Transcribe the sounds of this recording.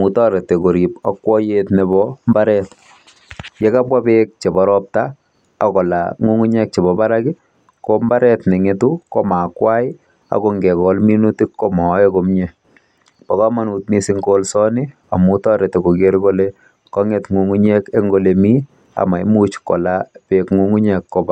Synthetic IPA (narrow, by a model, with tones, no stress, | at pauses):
mu˨tɔ˦ɾe˨te˨ko˨ɾi˨pakːwɔ˦jetne˨bɔmbaɾɛt | je˦ka˦bwa˦bek̚t͡ʃe˨bɔɾɔp̚ta̰ː˨ | kɔ˨la̰ŋu˦ŋu˦ɲɛ˦k̚t͡ʃe˨bɔ˨ba˦ɾaɡɪ˦ | kɔ˦mba˦ɾɛ˦tne˨ŋe˦tukɔ˦ma˨kwa˦j | a̰˨ko˨ŋɡe˨kɔ˨lmi˦nu˦ti˦kːɔ˦mɔ˨˦ekomɲɛ | pa˨ka˦ma˨nu˨t̚ni˦si˦ŋɡolsɔ˦nɪ˦ | a̰˨mu˦tɔ˦ɾe˨te˨ko˨ke˦ɾko˦le | kɔ˦ŋe˨tŋu˨ŋu˦ɲɛ˦ke˦ŋɡo˨le˨mi˦ | a̰ma˨jmu˦t͡ʃkɔ̰˨lapekŋu˦ŋu˦ɲɛ˨kːɔba˨